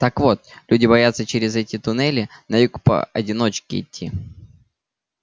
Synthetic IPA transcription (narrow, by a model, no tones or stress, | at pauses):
t̪akvo̞t̪lʲudʲɪbɐjat̪sət͡ɕɪɾʲɪzɛtʲɪt̪ʊnɛlʲɪnɐjukpə̰ɐ̰dʲɪno̞t͡ɕkʲɪ̰ɪ̰t̪ʲːi